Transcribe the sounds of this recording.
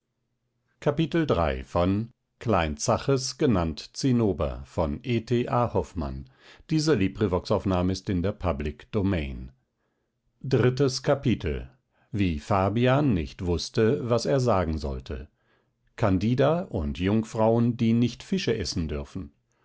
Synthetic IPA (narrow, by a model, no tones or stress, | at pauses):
kʰapitl̩dʁa̰ɪfɔn | kʰlaɪnt͡saχəsɡ̥ənantt͡sinoːbɐ̰fɔnʔeːtʰeːʔaːhɔfma̰n | d̥iːzəliːbʁivɔksaʊfnaːməɪstɪndeːɐpʰablɪkd̥omɛɪn | dʁɪtəskʰapitʰl̩ | viːfaːbiaːnːɪ̰çtv̥ʊstəvaseːɐzaːɡŋ̩zɔ̰ltʰə̰ | kʰandiːdɐʔʊntʰjʊŋfʁ̥aʊəndiːnɪçtfɪʃəʔɛsn̩dʏɐfn̩